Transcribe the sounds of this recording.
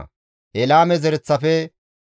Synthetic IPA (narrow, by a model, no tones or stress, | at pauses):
hɛlaːmɛzɛɾɛt͡sːɐfɛ